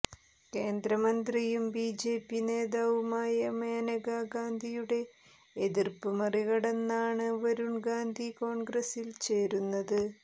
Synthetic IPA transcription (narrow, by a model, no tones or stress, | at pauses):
ke̞ːnd̪ɾɐmɐnd̪rijumbiːd͡ʑe̞ːpːine̞ːðaːʋumaːjɐmeːnɐɡaɡaːnd̪ʱijuɽe̞ː | ðirpɨmɐriɣɐɽenːaːɳɨʋɐɾuɳɡaːnd̪ʱiko̞ːɳɡrɐsilt͡ɕe̞ːɾunːɐðɨ